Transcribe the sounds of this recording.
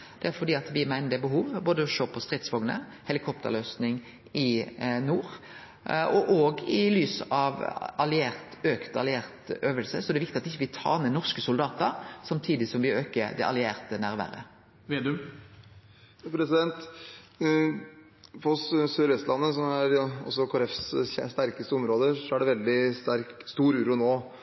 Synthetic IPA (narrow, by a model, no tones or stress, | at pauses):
d̪̥ɛæɾfɔɖ̪iːɑt̪ʋɪmæɪnəd̪əbəɦuːʋboːd̪əɔʃøːpʰɔst̪ʁɪt̪sʋɔŋnə̰ | hɛlɪkʰɔpt̪ə̰løːsnɪŋ | ɪnuːɾ | ɔʔoːɡɪlyːsɑʋɑlɪeːʁt̪øːkt̪ɑ̰lɪeːʁt̪øːʋəlsəsɔɛd̪ɛʋɪk̚t̪ɪɑt̪ɪçːəʋɪt̪ʰɑ̰ːnənɔʁskəsʊld̪ɑːt̪əɾsɑmt̪ʰiːd̪ɪsɔmʋɪøːkəɾd̪ɛʔɑ̰lɪeːʁt̪ənæɾʋæ̰ːɾə̰ | ʋeːd̪ʉ | pʰɾɛsɪd̪ɛnt̪ | fɔsøɾʋɛst̪lɑnːəsɔmæɾɔ̰sːɔkʰːɾɛfsst̪æɾkəst̪əɔmɾoːd̪əʂɔæɖɛʋɛld̪ɪst̪æɾk | st̪uːɾʉːɾʊnoː